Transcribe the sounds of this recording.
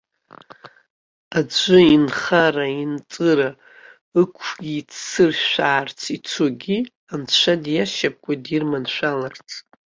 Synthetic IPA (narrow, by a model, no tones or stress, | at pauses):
ad͡ʒʷɨinχaraint͡sʼɨɾa | ɨkʷʰɡʲit͡sʰːɨrʃʷᶣaːrt͡sʰit͡sʰoɡʲi | ant͡ʃʷʰadjaʃap̚ʼkʷʼadirmanʃʷᶣalart͡sʰ